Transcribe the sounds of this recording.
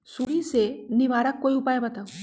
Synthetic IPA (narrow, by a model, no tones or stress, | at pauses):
suːɾisenɪʋaːɾəkːoːiʊpaːjebɐt̪aːu